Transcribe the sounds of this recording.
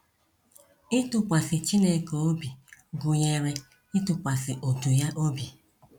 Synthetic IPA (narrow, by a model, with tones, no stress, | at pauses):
ɪ˦tʊ˨kʷa˨sɪ˨t͡ʃi˦ne˦ko˨o˦bi˨ɡʊ˨ɲe˨ɾe˦ | ɪ˦tʊ˨kʷa˨sɪ˨ʔo˨tu˨ja˦ʔo˦bi˨